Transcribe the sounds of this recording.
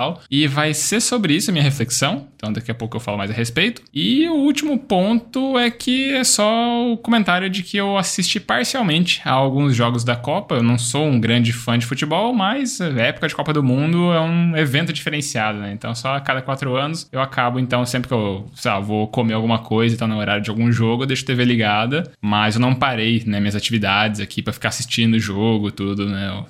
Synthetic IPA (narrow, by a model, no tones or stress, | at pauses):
awɪvajseɾsobɾɪisʊɐmĩɲɐɦefleksɐ̃w̃ẽt̪ɐ̃w̃d̪ɐkiɐpowkʊewfa̰lʊma̰jzɐhespejt̪ʊ̥ɪʊuwt͡ʃimʊpõnt̪ʊɛkʰɪɛsɔʊkõmẽnt̪aɾjʊd͡ʒɪkʰɪewasist͡ʃipaɾsiawmẽnt͡ʃɪ̥a̰awɡũzʒɔɡʊzd̪ɐkɔpɐewnɐ̃w̃soũɡɾɐ̃d͡ʒɪfɐ̃d͡ʒɪfut͡ʃɪbɔwmɐzɛpʊ̥kɐd͡ʒɪkɔpɐd̪ʊmũnd̪ʊɛũevẽnt̪ʊd͡ʒifeɾẽsiad̪ʊnɛẽnt̪ɐ̃w̃sɔakad̪ɐkwat̪ɾʊɐ̃nʊsewakʰabʊẽnt̪ɐ̃w̃sẽmpɾɪkewsela̰vokomeawɡũmɐkʰojzɐ̃ĩt̪ãnɐoɾaɾjɐd͡ʒɪawɡũʒoɡʊed̪ejʃʊ̥t̪eveɾliɡad̪ɐmɐzewnɐ̃w̃paɾejnɛmĩɲɐzat͡ʃivid̪ad͡ʒɪzakʰipɾɐfikaɾsist͡ʃĩnd̪ʊʒoɡʊt̪ud̪ʊnɛʊ̰